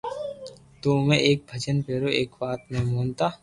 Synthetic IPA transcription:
t̪oːmẽʔeːk̚bʱəd͡ʒənpeːɾoːʔeːkbaːt̪mẽmoːnt̪aː

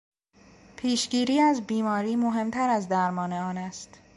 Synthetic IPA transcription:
pʰiːʃɟiːɾiːæzbiːmɒːɾiːmoɦe̞mt̪ʰæɾæzd̪æɾmɒːneɒːnæst̪

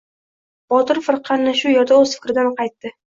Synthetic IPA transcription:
b̥ɒt̪ɪɾfɨɾqʰɑnːɪʃʊjeɾd̪aɵzfɪ̥kʲɾɪd̪anqʰɑjt̪ːɪ

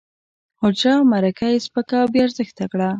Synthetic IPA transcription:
hod͡ʒɑmaɾakajespəkabeaɾzəxt̪akɽa

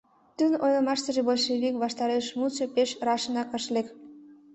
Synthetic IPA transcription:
t̪ynojləmɑʃt̪ə̆ʒebolʲʃeβikβɑʃt̪ɑɾeʃmut͡ɕepeʃrɑʃənɑkəʃlek

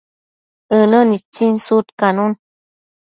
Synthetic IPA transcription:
ənənit͡sinsut̪kanun

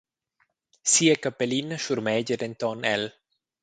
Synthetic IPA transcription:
siekapelinəʃuɾmɛɟeɾent̪ɔnɛl

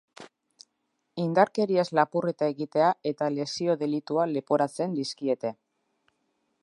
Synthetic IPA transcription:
ind̪aɾke̞ɾiezlapure̞t̪ae̞ɣit̪e̞ae̞t̪ale̞sio̞ðe̞lit̪uale̞po̞ɾat͡se̞nd̪iskie̞t̪e̞

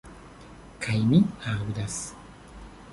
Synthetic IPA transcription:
kʰajmihaːwɯd̪as

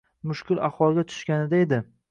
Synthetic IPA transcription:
mʊʃkʲɪlaχwɒlˠɡʲat̪ʰʊ̥ʃkʲanɪd̪aed̪ɪ

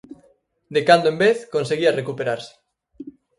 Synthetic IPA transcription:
d̪ekand̪oembeθkonseɣiarekupeɾaɾse̥

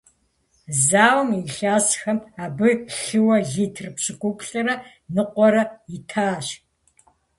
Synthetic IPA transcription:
zaːwmiɬaːsxɐmaːbɨɬɨwɐɮitʰrɨpɕɪkʷʼʊkʷʼɬʼɐɾɐ | nɨqʷɔɾɐitʰaːɕ

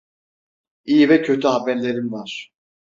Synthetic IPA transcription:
ijivɛcʰø̞t̪ʰyɦabæɾlʲe̞ɾinvaɾ̥

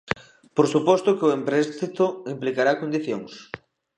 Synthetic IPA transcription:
poɾsupɔst̪ʊkɪʊempɾɛst̪it̪ʊimplikaɾakond̪iθjoŋs

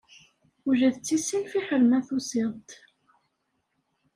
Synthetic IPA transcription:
uʒæðt͡sːisilfiħəɾmæθusɪðˤt̪

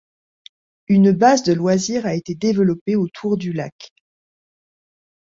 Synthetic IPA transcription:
ynbazd̪əlwaziʁaet̪ed̪evəlɔpeot̪ʰuʁd̪ylak

